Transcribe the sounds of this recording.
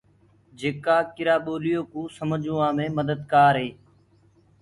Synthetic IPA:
d͡ʒeːkaːkɪɾaːɓoːlɪjoːkũːsəmd͡ʒũːãːmẽːməd̪əd̪̚kaːɾɦeː

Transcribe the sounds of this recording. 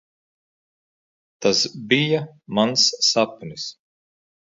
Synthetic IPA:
t̪asbijamansːapnis

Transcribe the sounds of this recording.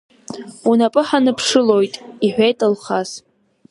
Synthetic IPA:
unapʼɨħanɨpʰʂɨlo̞jtʼiħᶣʷejtʼɨlχas

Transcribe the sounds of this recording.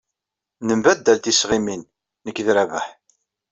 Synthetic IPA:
nəmbæd̪ːælt̪isʁiminː | əkːðɾævəħ

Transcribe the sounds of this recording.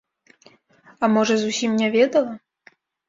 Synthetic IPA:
ɐmɔʐɐzusʲimnʲavʲɛd̪ɐlˠɐ

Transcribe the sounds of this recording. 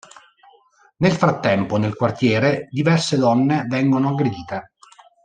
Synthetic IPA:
nelfɾat̪ːɛmponelkwart̪jɛːɾed̪ivɛrsed̪ɔnːevɛŋɡonoaɡɾed̪iːt̪e

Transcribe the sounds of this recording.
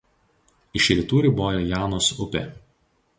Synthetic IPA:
ɪʃʲɾʲɪt̪uːɾʲɪboːjoːjɑːnoːsʊpʲeˑ

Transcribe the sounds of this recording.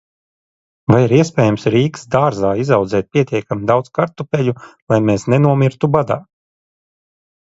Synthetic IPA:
vajiɾiɛspʲɛːjamsɾiːksd̪aːɾzaːizawd̪zɛːt̪̚pʲiɛt̪ʲiɛkamid̪awd̪z̥kaɾt̪upʲɛʎulˠajmeːsnɛnuɔmʲiɾt̪ubad̪a̰ː

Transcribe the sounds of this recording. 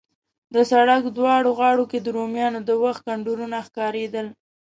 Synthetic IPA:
d̪əsaɽakd̪wɑɽoɣɑɽoked̪əɾomjɑnod̪əwaxt̪̚kaɳɖuɾunaxkɑɾed̪əl

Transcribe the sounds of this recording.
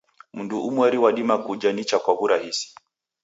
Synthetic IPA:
m̩nduʔumwɛɾiwaɗimakud͡ʒanit͡ʃakwaβuɾahisi̥

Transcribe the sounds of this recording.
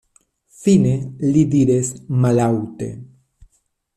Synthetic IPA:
θinelid̪iɾesmalawt̪ḛ

